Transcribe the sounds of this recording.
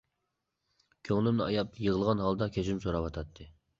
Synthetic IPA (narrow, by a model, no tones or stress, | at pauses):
kʲʰøŋlˠɪmnɨɑjɑpjəʁəlˠʁɑnɦɑlˠd̪ɑkʲʰøt͡ʃɪmsoɾɑpɑt̪ʰɑt̪ʰːɨ